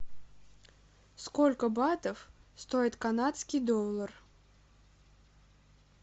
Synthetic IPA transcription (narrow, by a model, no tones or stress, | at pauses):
skɔlʲkəbat̪əfst̪ojit̪kanat̪skʲid̪ɔlˠər